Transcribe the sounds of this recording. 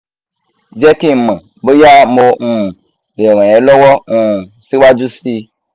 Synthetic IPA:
d͡ʒe˦ki˦˨mã˨ | be˦ja˦mo˧nu˦˨ | e˨mã˨je˨˦lɔ˦wɔ˦ŋu˨ | si˦ɓa˦d͡ʒu˦si˧

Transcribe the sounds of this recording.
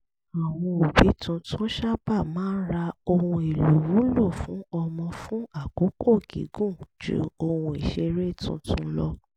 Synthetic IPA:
a˨w̃ɔ̃˧o˨bi˨˦tʰũ˧tũ˦ʃa˦ba˦˨mãː˦n̩˦ɾa˧o˧hũ˧e˨lo˨wu˨˦lo˦˨fũ˨˦ɔ˧mɔ̃˧fũ˦a˦˨ko˨˦ko˦˨ɡḭ˨˦ɡũ˦˨d͡ʒṵ˨˦o˧hũ˧i˨ʃe˧ɾe˦˨tṵ̃˧tʰũ˦lɔ˦

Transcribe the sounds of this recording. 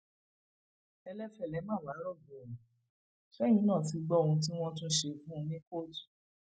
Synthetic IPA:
ɛ˧lɛ˦fɛ˨lɛ˨˦mã˦˨wa˨˦ɾɔ˦˨bũ˨nũ˨ | fɛ˦j̃ĩ˦nã˦˨ti˨˧ɡ͡bɔ˦o˧ũ˧tĩ˦w̃ɔ̃˦tũ˦ʃe˧˨ɡũ˦˧nĩ˦ko˦˨tu̥˨

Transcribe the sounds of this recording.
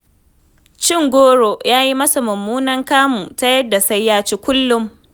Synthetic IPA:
t͡ʃɪ˦ŋɡʷoː˦ɽo˨jaː˦ji˦mɐ˦sa˨mɐ˨mːuː˦nɐ˦ŋkaː˦muː˨ta˦jɐ˦da˨sɐ˦jːaː˦t͡ʃiː˦kʷʊ˦lːʊ˦m

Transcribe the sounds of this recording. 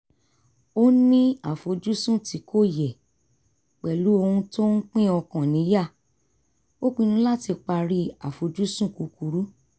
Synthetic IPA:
o˦nĩ˦a˦˨fo˧d͡ʒu˦sũ˦˨ti˨˦kʰo˦˨jɛ˨ | k͡pɛ˨lu˨˦o˧hũ˧to˦n̩˦k͡pĩ˦ɔ˧kã˨nĩ˨˦ja˦˨ | o˦k͡pi˧nũ˧˦la˦˨ti˧k͡pa˧ɾi˧a̰˨fo˨d͡ʒu˦sũ˦˨ku˨˦ku˨˦ɾu˦

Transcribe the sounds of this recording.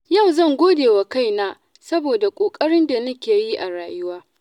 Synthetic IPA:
ja˦˨wzɐ˦˨ŋɡʷoː˦deː˨wa˨ka˦jnaː˦ | sɐ˦boː˨da˨kʷʼoː˨kʼɐ˦ɽɪ˦nda˨nɐ˦kʲeː˨ji˦ʔa˨ɽaː˨jʊ˦waː˦

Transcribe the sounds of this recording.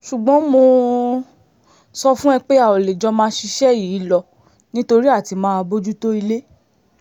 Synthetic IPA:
ʃu˨ɡ͡bɔ̃˨˦mo˧ | sɔ˧fũ˦ɛ˧k͡pe˦a˨ɔ˨le˨d͡ʒɔ˧mãː˦ʃi˧ʃɛ˦˨jiː˨˦lɔ˧ | nĩ˦to˧ɾi˦a˦˨ti˧mãː˦a˧bo˦d͡ʒu˦to˦i˧le˦

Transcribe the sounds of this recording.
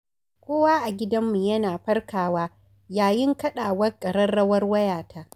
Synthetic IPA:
kʷoː˦waː˦ʔa˨ɡʲɪ˦dɐ˦mːu˨jɐ˦naː˨ɸɐ˦rkaː˨waː˦ | jaː˨jɪ˦ŋkɐ˦ɗaː˨wɐ˦rkʼɐ˨ɽɐ˦rɽɐ˦wɐ˦rwɐ˦jaː˨ta˦

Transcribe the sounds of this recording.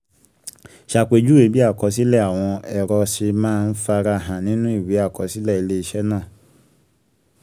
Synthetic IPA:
ʃa˧˨k͡pe˨˧d͡ʒu˦we˨˦bi˦a˦˨kɔ˧˦s̬i˦lɛ˦˨a˨w̃ɔ̃˧ɛ˨ɾɔ˧si˧mãː˦˧n̩˦fa˧ɾa˧˨ɦã˨nĩ˦nũ˦i˦˨we˨˦a˦˨kɔ˨˦si˦lɛ˦˨i˨˧le˦i˧ʃɛ˦nãː˦˨

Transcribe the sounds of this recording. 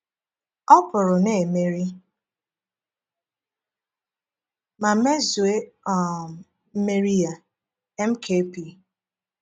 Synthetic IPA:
ɔ˦pʊ˨ɾʊ˨ne˨me˦ɾi˦ | ma˨me˦zwe˦ɔ˨m˨ | m̩˦me˦ɾi˦ja˨ | ɛ˦m̩˦kʰe˦pi˨

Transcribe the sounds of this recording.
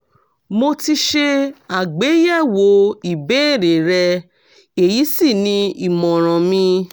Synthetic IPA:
mo˧ti˧ʃe˧a˨ɡ͡be˨˦jɛ˦˨wo˨˦i˨bẽ˨˦e˦˨ɾe˨ɾɛ˧ | e˨ji˨˦si˦˨nĩ˧i˨mɔ̃˨ɾ̃ɔ̃˨mĩ˧

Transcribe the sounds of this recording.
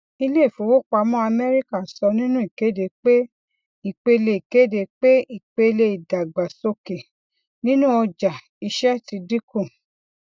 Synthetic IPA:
i˧le˦˨fo˨˦wo˦k͡pa˧mɔ̃˦a˧mɛ˦ɾi˦ka˦˨sɔ˧nĩ˦nũ˦i˨ke˨˦de˧k͡pe˦ | i˦˨k͡pe˧le˧˨i˨ke˨˦de˧k͡pe˦i˦˨k͡pe˧le˧i˨da˨ɡ͡ba˨so˧ke˨ | nĩ˦nũ˦ɔ˧d͡ʒa˨ | i˧ʃɛ˦ti˧di˦kũ˦˨

